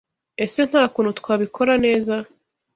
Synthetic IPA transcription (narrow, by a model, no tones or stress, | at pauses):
e̞se̞n̥haːkuːnut̪waːβikʰo̞ɾane̞ːza